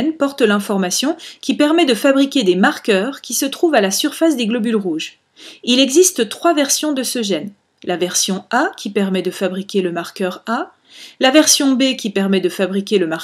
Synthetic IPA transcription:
npɔʁt̪lɛ̃fɔʁmasjɔ̃kʲipɛʁmɛd̪əfabʁikʲed̪emaʁkʲœʁkʲisət̪χuvalasyʁfas̬d̪eɡlɔbylʁuʒ | ilɛɡzist̪ət̪χwavɛʁsjɔ̃d̪əsəʒɛn | lavɛʁsjɔ̃akʰʲipɛʁmɛd̪əfabʁikʲeləmaʁkʲœʁa | lavɛʁsjɔ̃bekʲipɛʁmɛd̪əfabʁikʲeləma

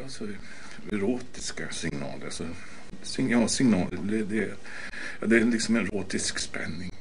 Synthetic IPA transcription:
asɔ | ɛɾoːt̪ɪskasɪŋnɑ̰ːlə̰sɔ | sɪŋjɑːsɪŋnɑːləd̪ɛd̪ɛ | ɑd̪ɛɛnlɪksɔmɛnɾoːt̪ɪskspɛ̰nːɪŋ

